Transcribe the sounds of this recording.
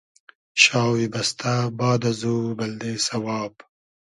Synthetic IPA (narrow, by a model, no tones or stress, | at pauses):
ɕɑːwibɐst̪abɑːd̪ɐzubɐld̪eːsɐwɑːb